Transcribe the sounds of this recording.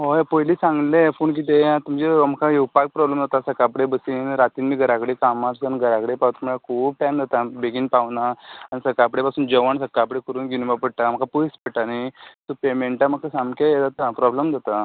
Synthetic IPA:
ɦopojliːsãŋɡlepuːɳk̬iːt̪̬eãt̪um̤d͡ʑeoməkʰajewpak̚pɾɔbləmd͡zat̪asəkapɽebəsiːnɾat̪iːnmiːɡʱəɾakɽekamaɾsənɡʱəɾakɽepawt̪m̤əɭakʰuːb̚ʈɛ̃nd͡zat̪abeɡiːnpaʋnaːnisəkapɽepasuːnd͡ʑəʋəɳsəkːapɽekəɾuːnɡinmapəɽʈam̤əkapuispəɽʈanisɔpemeɳʈaməkʰasamkejed͡zat̪apɾɔbləmd͡zat̪a

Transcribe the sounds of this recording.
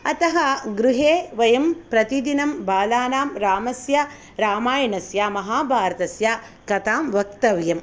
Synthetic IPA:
ɐt̪ɐɦɐɡɾuɦeːʋɐjɐmpɾɐt̪id̪inɐmbaːlaːnaːmɾaːmɐsja | ɾaːmaːjɐnɐsjaːmɐɦaːbʱaːɾɐt̪ɐsjaː | kɐt̪aːmʋɐk̚t̪ɐʋjɐm

